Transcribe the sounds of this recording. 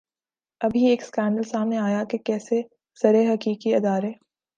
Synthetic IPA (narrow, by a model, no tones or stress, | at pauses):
ɐbʱieːkskɛːɳɖəlsaːmneaːjakekɛːse | z̥ɐɾeɦɐkiːkiɪd̪aːɾeː